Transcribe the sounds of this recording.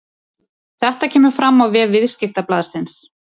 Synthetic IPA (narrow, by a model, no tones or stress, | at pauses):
θɛht̪acʰɛːmʏfɾamːawvɛːvɪð̥scɪft̪aplaːð̥sɪns